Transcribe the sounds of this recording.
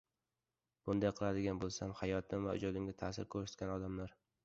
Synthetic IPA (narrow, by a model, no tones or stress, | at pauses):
b̥ʊnd̪ajqʰɨlˠad̪ɪɡʲanbolˠsamhajɒt̪ʰɪmvaʊ̰d͡ʒɒd̪ɪmɡʲat̪ʰasɪɾkʰɵɾsɪ̥t̪kʲanɒd̪amlaɾ